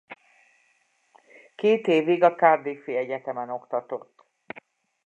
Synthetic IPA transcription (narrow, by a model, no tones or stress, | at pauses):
keːt̪eːviɡɒkaːd̪eːfeːɛɟɛt̪ɛmɛno̞kt̪ɒt̪o̞t̪ː